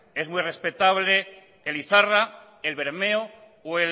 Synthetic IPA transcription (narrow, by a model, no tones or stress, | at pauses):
e̞zmwujre̞spe̞t̪aβ̞le̞ | eliθara | elβe̞ɾme̞o | we